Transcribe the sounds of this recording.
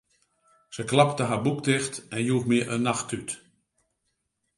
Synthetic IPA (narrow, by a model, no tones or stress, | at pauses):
səklaptəɦabuktɪxtɛnjuːxmiəʔənːaxtyt